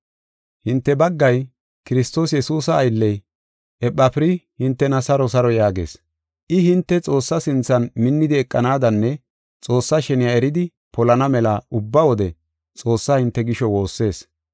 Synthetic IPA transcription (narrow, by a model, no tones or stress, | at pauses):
hɪnt̪ːɛbɐɡːɐj | kɪɾɪst̪o̞ːs̬jɛsuːsɐːjlːɛj | ɛpʼːɐpɪɾɪhɪnt̪ːɛnɐsɐɾɔsɐɾɔjaːɡe̞̰ːs | ʔɪhɪnt̪ːɛt͡sʼo̞ːsːɐsɪnt͡sːɐnmɪnːɪd̪ɪɛkʼːɐnaːd̪ɐnːɛ | t͡sʼo̞ːsːaʃɛnɪjaɛɾɪd̪ɪ | pɔlɐnɐmɛlaʊbːɐwɔd̪ɛ | t͡sʼo̞ːsːaːhɪnt̪ːɛɡɪʃɔwo̞ːsːe̞ːs